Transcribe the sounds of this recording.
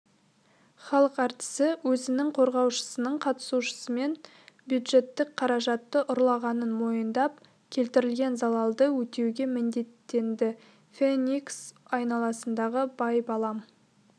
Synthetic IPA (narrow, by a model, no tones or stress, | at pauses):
χɑlˠəqɑɾt̪ə̥səwɵzɪnɪŋqʰo̞ɾʁɑwʃə̥sənəɴqʰɑt̪ə̥suʃə̥səme̞n | bjud̪ʒe̞t̪ːɪk̚qʰɑɾɑʒɑt̪ːəʔʊɾlˠɑʁɑnənmo̞jənd̪ɑp | kʲʰe̞lt̪ɪɾɪlɡʲe̞nzɑlˠɑlˠd̪əwɵt̪e̞wɡʲe̞mɪnd̪e̞t̪ːe̞nd̪ɪ | fenʲiksɑjnɑlˠɑsənd̪ɑʁəbɑjpɑlˠɑm